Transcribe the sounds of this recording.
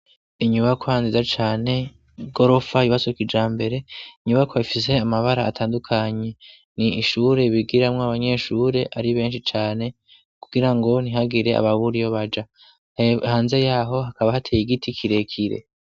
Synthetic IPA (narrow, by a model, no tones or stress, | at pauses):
iɲuβakʰohanzizat͡ʃaːne̞ | ɡo̞ɾo̞fajiβasokid͡ʒaːmbe̞ɾe̞iɲuβakʰoifise̞amaβaɾa̰ːtʰaːndukʰaɲe̞ | niiʃuːɾe̞βiɡiɾamŋoaβaɲe̞ʃuːɾe̞ʔaɾiβe̞ːnʃit͡ʃaːne̞ | kuɡiɾaŋɡo̞niɦaɡiɾe̞a̰βaβuɾijo̞βad͡ʒa | haːnze̞jaːɦo̞ɦakaβahatʰejiɡitʰikʰiɾe̞kʰiɾe̞̰